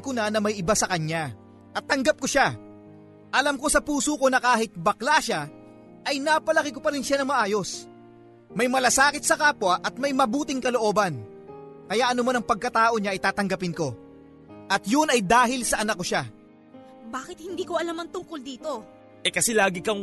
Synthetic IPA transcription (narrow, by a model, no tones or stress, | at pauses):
kʊnanɐmɐjʔɪbasɐkɐɲa | ʔɐt̪ːɐŋɡap̚ko̞ʃa | ʔɐlamko̞sɐpuːsuko̞nɐkaːɦɪt̪̚bɐklaʃa | ʔɐjnapɐlɐkɪkopɐɾɪnʃanɐŋmɐʔaːjo̞s | mɐjmɐlasaːkɪt̪̚sɐkaːpwɐʔɐt̪̚mɐjmɐbuːt̪ɪŋkɐloʔo̞ːbɐn | kɐjaʔɐnʊmanɐŋpɐɡ̚kɐt̪aːʔo̞ɲaʔɐjt̪aːt̪ɐŋɡɐpɪnko̞ | ʔɐt̪jʊnɐjd̪aːɦɪlsɐʔɐnɐk̚ːoʃa | baːkɪt̪̚hɪnd̪iːkoɐlamɐnt̪ʊŋkold̪iːt̪o̞ | ʔɛkɐsɛlaːɡɪkɐ